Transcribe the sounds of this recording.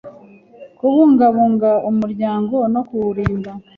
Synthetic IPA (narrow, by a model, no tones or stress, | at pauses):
kuβuːŋɡaβuːŋɡaumuɾɟaːŋɡo̞no̞kuɾiːŋɡa